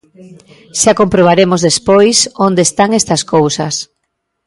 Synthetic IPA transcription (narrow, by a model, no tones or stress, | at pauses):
ʃakompɾoβ̞aɾemozðespojsond̪est̪aŋest̪ɐskowsɐs